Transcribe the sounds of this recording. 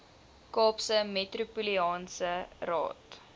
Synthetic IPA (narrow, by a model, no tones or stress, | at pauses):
kɑːpsəmetrupuliɑːnsərɑ̰ːt